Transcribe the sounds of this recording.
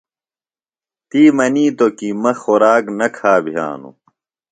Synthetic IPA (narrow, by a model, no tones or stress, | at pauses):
t̪iːmɐniːt̪okimɐxoɾaːknɐkʰaːbʱija̰ːnṵ